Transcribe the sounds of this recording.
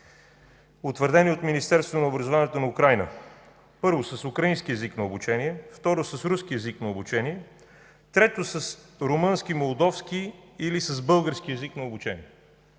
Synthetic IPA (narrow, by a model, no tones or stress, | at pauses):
ot̪vəɾd̪ɛniot̪minist̪ɛɾst̪voonɐobɾəzʊvaniɛt̪onɐukɾajnə̰ | pɤɾvosəsʊkɾəinskiɛziknɐobut͡ʃɛniɛft̪ɔɾosəsɾusk̟iɛziknɐobut͡ʃɛniɛ | t̪ɾɛt̪osəsɾomɤnsk̟imolˠd̪ɔfskiːlisəzbɤlˠɡəɾskiɛziknɐobut͡ʃɛniɛ